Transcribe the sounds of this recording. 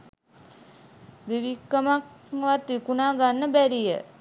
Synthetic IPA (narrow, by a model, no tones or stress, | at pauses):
ʋiʋikːəmakʋat̪ʋikunaːɡanːəbæɾijə̰